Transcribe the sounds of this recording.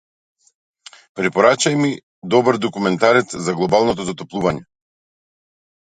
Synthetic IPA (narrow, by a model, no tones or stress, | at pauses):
pɾipɔɾat͡ʃajmi | d̪ɔbəɾd̪ɔkumɛnt̪aɾɛt̪zaɡlˠɔbalˠnɔt̪ɔzat̪ɔplˠuvaɲɛ